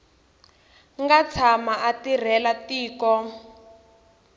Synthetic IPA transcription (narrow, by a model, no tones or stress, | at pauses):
ŋɡat͡sʰamaatir̤ɛlatiːkɔ